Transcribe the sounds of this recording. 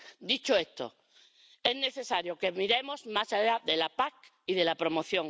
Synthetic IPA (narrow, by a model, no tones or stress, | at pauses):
d̪it͡ʃoest̪o̰ | e̞zne̞θesaɾjoke̞miɾe̞mo̞zmasaʎaðe̞lapak̚ | iðe̞lapɾo̞mo̞θjõ̞ŋ